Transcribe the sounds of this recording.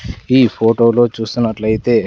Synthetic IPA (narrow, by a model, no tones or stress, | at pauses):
iːpʰoːʈo̞ːlo̞ːt͡ʃuːsinːɐʈlɐjit̪e̞ː